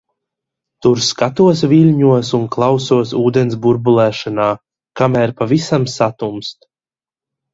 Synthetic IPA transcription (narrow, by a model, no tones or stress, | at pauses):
t̪uɾskat̪uɔs̬vilʲɲuɔsunklˠawsuɔsuːd̪ens̬buɾbulˠæːʃanaː | kamæːɾpavisamsat̪umst̪